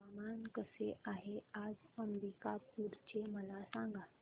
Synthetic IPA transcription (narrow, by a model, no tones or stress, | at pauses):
amankəseʔaɦead͡zəmɾikapuɾt͡ɕeməlasãŋɡat̪